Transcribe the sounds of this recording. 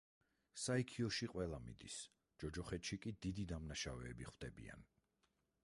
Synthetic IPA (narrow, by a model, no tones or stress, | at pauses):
saikʰiɔʃiqʼwɛlˠamḭd̪is | d͡ʒ̥ɔd͡ʒɔχɛt̪ʃikʼid̪id̪id̪amnaʃavɛːbiχwd̪ɛbḭa̰n